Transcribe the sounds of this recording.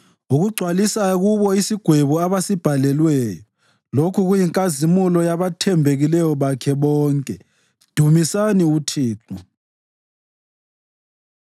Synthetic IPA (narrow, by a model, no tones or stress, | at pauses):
uɣuɡ͡ǀʱwalisaɣuβɔisiɡ̥ʱweβuaβasib̥ʱalɛlwɛːjɔ | lokʰuɣujiŋkʼazimulɔjaβatʰɛmbʱeɣilɛjɔβakʰɛβɔːŋkʼɛ | d̥ʱumisaniutʰiːǁɔ